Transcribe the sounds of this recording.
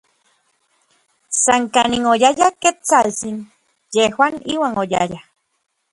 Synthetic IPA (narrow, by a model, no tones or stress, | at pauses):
saŋkaniŋojajaket͡salt͡sin | jehwaniwaŋoja̰ja